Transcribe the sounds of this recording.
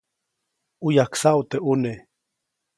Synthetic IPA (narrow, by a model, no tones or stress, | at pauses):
ujaksaut̪eʔune